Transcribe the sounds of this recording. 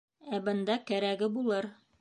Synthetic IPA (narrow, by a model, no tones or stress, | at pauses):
æbɤ̆nd̪ɑkæɾæɡɘbulˠɤɾ